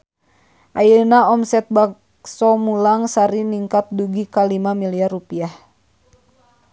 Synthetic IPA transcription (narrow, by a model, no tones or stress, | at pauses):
ʔajənaɔmsɛt̪̚bak | sɔmulaŋsaɾiniŋkat̪̚duɡikalimamiliarːupiah